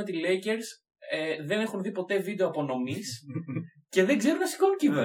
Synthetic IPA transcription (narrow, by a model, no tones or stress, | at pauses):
et̪ile̞jceɾs | eðe̞ne̞xunðipo̞t̪e̞vid̪e̞oɐpo̞no̞mis | ce̞ðe̞ŋɡze̞ɾunɐsi̥kouɲcie